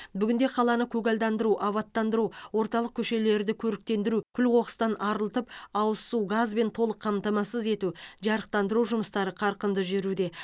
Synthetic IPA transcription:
bʏɡʲɪnd̪e̞qʰɑlˠɑnəkʲʰɵɡɑlʲd̪ɑnd̪əɾuʔɑβɑt̪ːɑnd̪əɾuwo̞ɾt̪ɑlˠəq̚kʲʰɵʃe̞le̞ɾd̪ɪkʲʰɵɾɪk̚t̪e̞nd̪ɪɾukʲʰʏlqo̞ʁə̥st̪ɑnʔɑɾəlˠt̪əpɑwəsuɡazbe̞nt̪ʰo̞lˠəqʰːɑmt̪ɑmɑsəze̞t̪uʒɑɾəq̚t̪ɑnd̪əɾuʒʊməst̪ɑɾəqʰɑɾqənd̪əʒʏɾud̪e̞

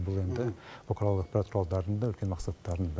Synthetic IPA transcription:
bʊlˠe̞nd̪ɪbokʰɾalˠəɑq̚pɑɾɑt̪̚qʰʊɾɑlˠd̪ɑɾənd̪ɑɵlkʲe̞nmɑqsɑt̪ːɑɾənd̪ɑ

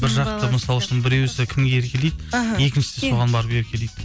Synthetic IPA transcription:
bɪɾʒɑq̚t̪əməsɑlˠʊʃɪnbɪɾewesekʲʰɪmɡʲeeɾkʲʰe̞lejd̪e̞kʲɪnʃɪ̥seso̞ʁɑnbɑɾəpje̞ɾkʲʰe̞lejd̪̥

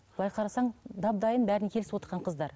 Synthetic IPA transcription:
b̥əlˠɑjqʰɑɾɑsɑɴd̪ɑb̚d̪ɑjənbæɾɪnkʲʰelɪɪwot̪əɾʁɑɴqʰəzd̪ɑɾ

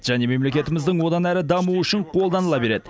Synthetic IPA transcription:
ʒ̥æne̞me̞mle̞kʲe̞t̪ɪmɪzd̪ɪɴwo̞d̪ɑnæɾɪd̪ɑmuʏʃɪɴqʰo̞lˠd̪ɑnəlˠɑbe̞ɾe̞d̪ɪ

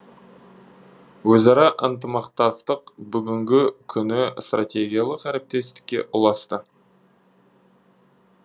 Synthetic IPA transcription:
wɵzɑɾɑʔənt̪əmɑqt̪ɑst̪əqbʏɡʲɪŋɡʲɪkʲʰʏnɪst̪rat̪ʲe̞ɡʲijalˠəqæɾe̞p̚t̪e̞st̪ɪ̥kʲːe̞̰ʔʊlˠɑst̪ə

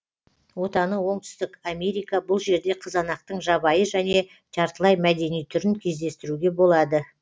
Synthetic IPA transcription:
wo̞t̪ɑnəwo̞ɴt̪ʏ̥st̪ɪkamʲe̞ɾijkɑbʊlˠʒe̞ɾd̪e̞qʰəzɑnɑq̚t̪əɴʒɑβɑjəʒæne̞ | t̪ʰɑɾt̪əlˠɑjmæd̪e̞nijt̪ʰʏɾɪŋkʲʰe̞zd̪e̞st̪ɪɾuɡʲe̞bo̞lˠɑd̪ə

